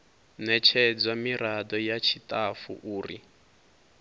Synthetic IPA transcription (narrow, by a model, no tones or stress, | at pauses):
nɛt͡ʃʰɛd͡zwamiɾadɔjat͡ʃʰitʼafṵʔuːri